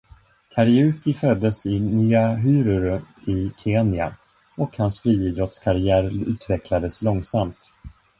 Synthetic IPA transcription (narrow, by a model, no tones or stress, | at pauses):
kʰaɾɪʉ̟ːkɪfœd̪ːəsɪnyːaɦyːɾəɾɪkʰeːnɪa̰ | ɔkhansfɾiːiːd̪ɾɔt̪skʰaɾɪæːɾʉ̟ːt̪vɛkʰlad̪əslɔŋsamt̪